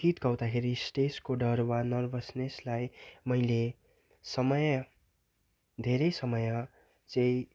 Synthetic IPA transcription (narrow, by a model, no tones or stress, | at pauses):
it̪ɡʌwd̪akʰeɾisʈeskoɖʌrwanʌrbʌsneslajmʌjle | sʌmʌj | d̪ʱeɾʌjsʌmʌja | t͡sʌ̃ĩ